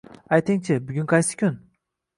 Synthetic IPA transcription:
ajt̪ʰɪŋt͡ʃʰɪbʊɡʲynqʰɑjsɪ̥kʲʰʊn

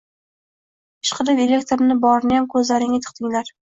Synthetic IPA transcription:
ɪ̥ʃqʰɨɾɪpe̞lʲe̞k̚t̪ʰoɾnɪbɒɾnɪjamkʰɵzlaɾɪŋʲɪt̪ʰʊ̥qt̪ʰɪŋlaɾ

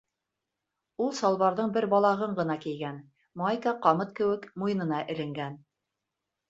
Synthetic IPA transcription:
ulˠsɑlˠβɑɾðɤɴbɘɾbɑlˠɑʁɤɴɢɤ̆nɑkijɡæn | majkɑqɑmɤt̪̚kɘ̆wɘkmujɤ̆nɤ̆nɑʔɘ̆lɘ̆ŋɡæn

